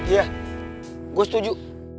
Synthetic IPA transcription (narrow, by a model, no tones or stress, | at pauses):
ija | ɡost̪ud͡ʒu